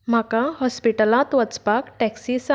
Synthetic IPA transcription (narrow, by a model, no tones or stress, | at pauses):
m̤akahɔspiʈəlat̪ʋət͡spakʈɛksisa